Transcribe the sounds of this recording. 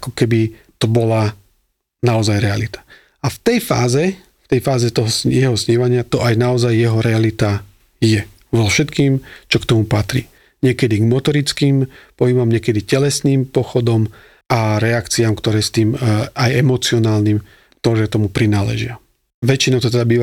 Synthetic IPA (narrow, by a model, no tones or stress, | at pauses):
akɔkɛbi | t̪ɔbɔla | naɔzajɾɛalit̪ḁ | aft̪ɛjfa̰ːzɛ | ft̪ɛjfaːzɛt̪ɔɦɔsjɛɦɔsɲɛʋaɲɪat̪ɔʔajnaɔzajːɛɦɔɾɛalit̪a | jɛ | ʋɔlfʃɛt̪kiːmt͡ʃɔkt̪ɔmupat̪ɾḭ | ɲɪɛkɛd̪iɡmɔt̪ɔɾit͡skiːmpɔɦibamɲɛkɛd̪icɛlɛsniːmpɔxɔd̪ɔm | ʔaɾɛakt͡siamkt̪ɔɾɛːst̪iːmajɛmɔt͡siɔnaːlniːm | kt̪ɔɾɛːt̪ɔmupɾinaːlɛ̰ʒɪa | ʋɛt͡ʃinaʊt̪ɔt̪ɛd̪abiːʋa